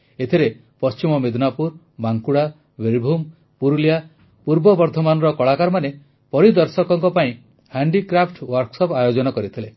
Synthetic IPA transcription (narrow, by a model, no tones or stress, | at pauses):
et̪ʰiɾe | pɔst͡ʃimɔmed̪ʱnapuɾ | maŋkuɽa | beɾbʱum | puɾulja | puɾbɔbɔɾd̪ʱɔmanɔɾɔkɔɭakaɾmane | pɔɾid̪ɔɾsɔkɔŋkɔpaĩ | haɳɖikɾapʰʈwɔɾksɔpajod͡ʒɔnɔkɔɾit̪ʰile